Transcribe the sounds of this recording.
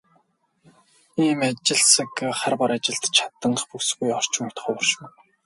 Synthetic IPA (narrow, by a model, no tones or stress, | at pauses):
iːmat͡ɕɪ̆ɮsə̆kχarpɔɾat͡ɕɪ̆ɬt̪t͡ɕʰḁt̪ə̆ɴχpuksɣujɔr̥t͡ɕɪ̆ŋʊt̪̆χɔːpɔrʃɪ̆w